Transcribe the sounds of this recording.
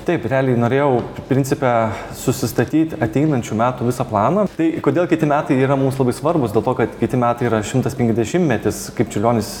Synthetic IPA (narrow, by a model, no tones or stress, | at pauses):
t̪ʲɐɪpɾʲæːlʲɪnoːɾʲeːjɛʊpʲɾʲɪnʲt͡sʲsʲɪpʲɛ | sʊsʲɪst̪ɐt̪ʲiːt̪ʲɐt̪ʲɛɪnɐnʲt͡ʃʲumʲæːt̪uːʋʲɪsɐplˠɑːnɐt̪ɐɪkoːd̪ʲeːlˠkʲɪt̪ʲɪmʲæːt̪ɐɪiːɾɐmumslˠɐbɐɪsʋɐrbʊsd̪ʲeːlˠt̪oːkɐt̪kʲɪt̪ʲɪmʲæːt̪ɐɪiːɾɐʃʲɪmt̪ɐspʲɛŋʲkʲzd̪ʲɛʃʲɪmʲmʲɛt̪ʲɪskɐɪpt͡ʃʲɪlʲoːnʲɪs